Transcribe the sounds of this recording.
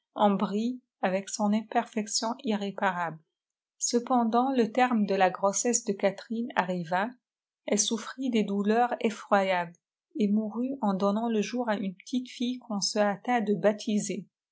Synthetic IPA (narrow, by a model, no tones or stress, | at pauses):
ɑ̃bʁi | avɛksɔ̃nɛ̃pɛʁfɛksjɔ̃ʔiʁepaʁabl | səpɑ̃d̪ɑ̃lət̪ɛʁmd̪əlaɡʁosɛsd̪əkat̪χina̰ʁiva | ɛlsufχid̪ed̪ulœʁefχwajabl | emuʁyɑ̃d̪ɔnɑ̃ləʒuʁaʔynpə̥t̪ʰit̪fijkʰɔ̃səat̪ad̪əbat̪ʰize